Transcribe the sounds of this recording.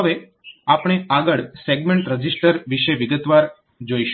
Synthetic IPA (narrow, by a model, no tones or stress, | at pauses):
ɦəʋe | apɳ̃eaɡəɭseɡmẽɳʈɾəd͡ʒisʈəɾʋiʃeʋiɡət̪ʋaɾ | d͡ʒoiʃ